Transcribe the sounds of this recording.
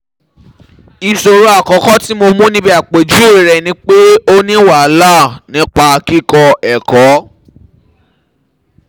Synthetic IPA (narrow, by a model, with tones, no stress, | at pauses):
i˧so˧ɾo˦a˦˨kɔ̃˨˦kɔ˦ti˦mo˧mũ˦nĩ˦bi˧˦a˨k͡pe˨d͡ʒu˦e˦˨ɾɛ˨nĩ˦k͡pe˦o˦nĩ˦wa˦˨˦la˦˨nĩ˦k͡pa˧ki˦˨kɔ˧ɛ˨kɔ˨˦